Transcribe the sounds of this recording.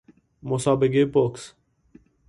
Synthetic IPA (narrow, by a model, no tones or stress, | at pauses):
mosɑːbeɡepoks